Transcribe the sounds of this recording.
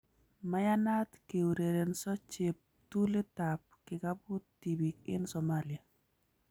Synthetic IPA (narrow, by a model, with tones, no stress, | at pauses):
ma˦ja˦na˦t̪ke˨wu˨ɾe˨ɾe˨nsɔ˦t͡ʃɪ˨p̚ | tu˦lɪ˦ta˨p̚kɪ˨ka˦bu˦tti˨bik̚ɪ̰˦nsɔ˨malja˨